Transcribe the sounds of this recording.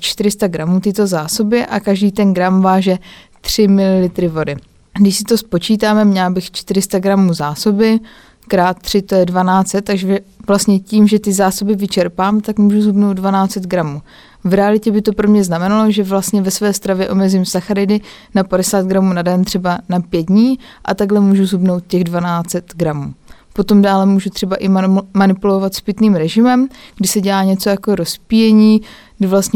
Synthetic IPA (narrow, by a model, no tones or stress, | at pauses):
t͡ʃt̪ɪɾɪst̪aɡɾamuːt̪ɪt̪o̞zaːso̞bɪʔakaʒdiːt̪ɛnɡɾamvaːʒɛ | t̪r̝̥ɪmɪlɪlɪt̪ɾɪvo̞dɪ | ɡdɪʃsɪt̪o̞spo̞t͡ʃiːt̪aːmɛmɲɛlbɪxt͡ʃt̪ɪɾɪst̪aɡɾamuːzaːso̞bɪ | kɾaːt̪̚t̪ːr̝̥ɪt̪o̞jɛdvanaːt͡sɛt̪ːaɡʒɛɛvlast̪ɲɛciːmʒɛt̪ɪzaːso̞bɪvɪt͡ʃɛɾpaːmt̪akmuːʒuzɦubnowt̪dvanaːt͡sɛt̪ɡɾamuː | vɾɛalɪcɛbɪt̪o̞pɾo̞mɲɛznamɛnalo̞ʒɛvlast̪ɲɛvɛsvɛːst̪ɾavjɛʔo̞mɛzɪmsaxaɾɪdɪ | napadɛsaːd̪̚ɡɾamuːnadɛnt̪r̥ɛbanapjɛd̪̚dɲiː | ʔa̰t̪aɡlɛmuːʒuzɦubno̞wt̪̚cɛɣdvanaːt͡sɛt̪ɡɾamuː | po̞t̪o̞mdaːlɛmuːʒut̪r̥ɛbaʔɪmanɪpulo̞vat̪spɪt̪niːmɾɛʒɪmɛmɡdɪsɛɟɛlaːɲɛt͡so̞jako̞ɾo̞spijɛɲiːɡdɪvlast̪ɲɛ